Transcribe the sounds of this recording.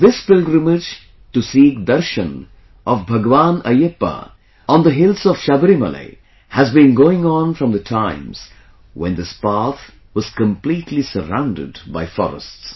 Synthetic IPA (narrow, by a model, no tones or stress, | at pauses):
d̪ɪspɪlɡɾəmɪd͡ʒ | ʈusiːk̚d̪ʌɾʃə̃n | ʔɔvbʱɐɡʋãnəjɪpːə̰ | ʔɔ̃nd̪ðəɦɪlsɔv̥ʃabɾimə̰lḛɪ | hæzbĩnɡoːɪ̃ŋə̃nfɾʌ̃md̪ətʰãɪ̃mz̥ | wɛ̰̃nd̪ɪspat̪ | wɔz̥kə̃mpliːtʰlisəɾã̰ʊ̃ndɪ̰dba̰ɪfɔ̰ɾə̰sts